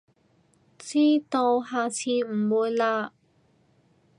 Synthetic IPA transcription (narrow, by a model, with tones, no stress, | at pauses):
t͡siː˥t̪o˧wɦaː˨˧t͡sʰiː˧m̩˨˩mu˧jla˧ʔ